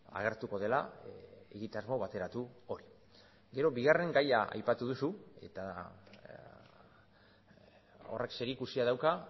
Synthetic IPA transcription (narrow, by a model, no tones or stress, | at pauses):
a̰ɣ̞e̞ɾt̪uko̞ð̞e̞laeɣit̪azmo̞βat̪e̞ɾat̪uo̞ɾi | ɡe̞ɾo̞βiɣ̞are̞ŋɡajaa̰jpat̪uðusue̞̰t̪a | o̞̰re̞kse̞ɾikusiaðawka